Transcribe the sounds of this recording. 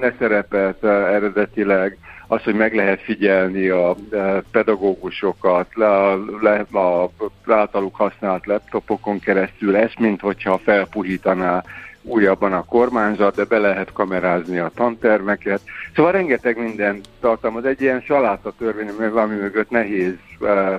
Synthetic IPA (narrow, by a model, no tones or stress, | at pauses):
d̪ɛsɛɾɛpɛlt̪ɛɾɛd̪ɛt̪ilɛɡɒsho̞ɟmɛɡlɛɦɛt̪fiɟɛlniɒpɛd̪ɒɡoːɡuʃo̞kɒt̪lɛɒzaːlt̪ɒlukhɒsnaːlt̪lɛpt̪o̞po̞ko̞ŋkɛɾɛst̪ylɛst̪mint̪ho̞chɒfɛlpuɦiːt̪ɒnaːuːjːɒbːɒnɒko̞rmaːnzɒd̪̚d̪ɛbɛlɛɦɛt̪kɒmɛɾaːzniɒt̪ɒnt̪ɛrmɛkɛt̪soːvɒlrɛŋɡɛt̪ɛɡmind̪ɛnt̪ːɒrt̪ɒlmɒzɛɟːiɛnʃɒlaːt̪ɒt̪ørʋeːɲɛmøɡɒmimøɡøt̪nɛɦeːz